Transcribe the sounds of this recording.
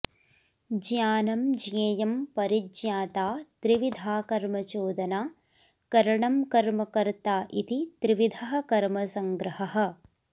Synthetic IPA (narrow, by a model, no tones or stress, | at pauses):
d͡ʒjaːnɐmd͡ʒjeːjɐmpɐɾid͡ʒjaːt̪aːt̪ɾiʋid̪ʱaːkɐɾmɐt͡ʃoːd̪ɐnaː | kɐɾɐɳɐmkɐɾmɐkɐɾt̪aːʔit̪it̪ɾiʋid̪ʱɐɦɐ̆kɐɾmɐsɐŋɡɾɐɦɐɦɐ̆